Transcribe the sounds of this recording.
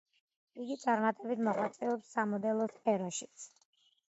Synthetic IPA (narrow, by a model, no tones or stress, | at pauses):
iɡit̪sʼaɾmat̪ʼɛbit̪ʰmɔʁwat̪sʼɛɔpsːamɔd̪ɛlˠɔspʰɛɾɔʃit̪sʰ